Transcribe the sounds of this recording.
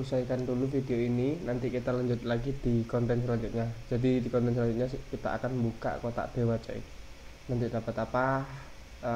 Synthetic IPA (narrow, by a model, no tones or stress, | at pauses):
usaikand̪ulufid̪eoininant̪ikit̪alaɲd͡ʒʊt̪̚laɡid̪̥i̤kɔnt̪ɛnsəlaɲd͡ʒʊt̪̚ɲad͡ʒ̥adid̪ikɔnt̪ɛnsəlad͡ʒʊt̪̚ɲaskit̪a̰ʔa̰kanmuka̰ʔkot̪a̰ʔd̪̥e̤wat͡ʃa̰ḭ | nant̪id̪a̤pat̪apa